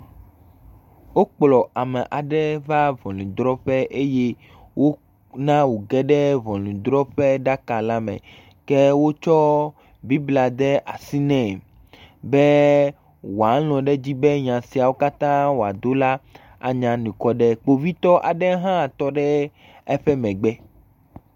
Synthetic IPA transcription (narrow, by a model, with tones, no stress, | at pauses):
wo˦k͡plɔ˨a˨mɛ˨ʔa˨ɖɛ˦va˦vɔ̃˨lĩ˨d̪ɾɔ˦ɸɛ˦ʔe˦je˦ | wo˦ | nã˦wo˨ɡɛ˦ɖɛ˦vɔ̃˨lĩ˨d̪ɾɔ˦ɸɛ˦ɖa˦ka˨la˦mɛ̰̃˨ | kɛ˦wo˦t͡ʃɔ˦ | bi˦bla˨d̪ɛ˦ʔa˨si˦nɛ̃˨ | bɛ˦ | wo˨a˨˦lɔ̃˨ɖɛ˦d͡ʑi˦bɛ˦ɲã˨si˨a˨wo˦ka˦t̪ã˦wo˨a̰˨d̪o˦la˦ | a̰˨ɲã˨nĩ˨kɔ˦ɖɛ˦k͡po˦vi˦t̪ɔ˦ʔa˨ɖɛ˦ɦã˦˨t̪ɔ˦ɖɛ˦ | ɛ˦ɸɛ˦mɛ̃˨ɡ͡bɛ˦